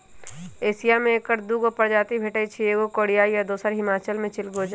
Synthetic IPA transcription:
eːsijamẽekəɾd̪uːɡopəɾd͡ʒaːt̪ibʱeːʈəit͡ʃʰieːɡokoːɽijaːijad̪oːsəɾɦɪmaːt͡ʃəlmẽt͡ʃɪlɡoːd͡ʒ

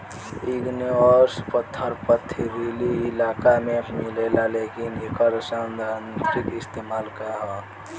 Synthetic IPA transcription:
iɡniʋəɾspət̪ʰːəɾpət̪ʰːiɾeliːlaːkamemilelalekinekəɾsənd̪ant̪ɾikist̪emaːlkəɾaɦa

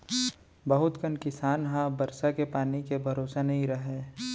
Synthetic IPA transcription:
bɐɦʊt̪kənkɪsaːnɦãbɐɾsakepaːnikebʱɐɾoːsanɐɦĩɾɐɦeː

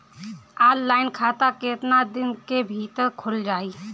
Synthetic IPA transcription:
aːlːaːɪnkʰaːt̪aket̪nad̪ɪnkebʱiːt̪əkʰʊld͡ʒaːiː

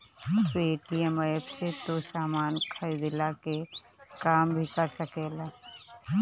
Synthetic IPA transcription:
peːʈijɛmajbset̪osaːmaːnkʰəɾid̪ɪlakekaːmbʱikəɾsəkeːlaː

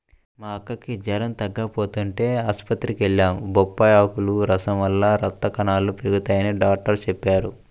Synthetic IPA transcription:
maːɐkːɐkid͡ʒɐɾɐnt̪ɐɡːɐpoːt̪uɳʈe̞ːaːspɐt̪ɾikeɭːaːmbɔpːɐjaːkuluɾɐsɐmʋɐlːaɾɐt̪ːɐkɐnaːlupiɾuɡut̪aːjɐniɖaːk̚ʈɐɾt͡ʃepːaːɾu

